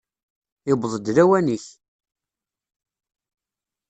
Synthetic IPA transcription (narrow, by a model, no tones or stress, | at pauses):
ɪbðˤəd̪ɾæwæniç